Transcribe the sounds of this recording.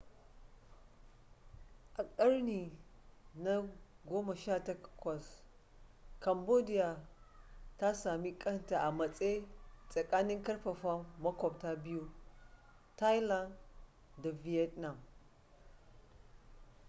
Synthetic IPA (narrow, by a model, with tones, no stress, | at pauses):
ʔa˨kʼa˦ɾni˨ | na˦ | ɡo˦ma˨ʃa˦ta˦kkwa˨s | ka˨mbo˦di˦ja˨ | ta˦sa˨mi˦kʼɐ˦nta˨ʔa˨mɐ˨t͡sʼe˦t͡sʼa˨kʼa˦ni˦ŋka˦ɾɸa˨fa˦ma˦ko˨b̚ta˦bi˦ju˦ | ta˦jla˦nd | da˨vi˨e˦tna˨m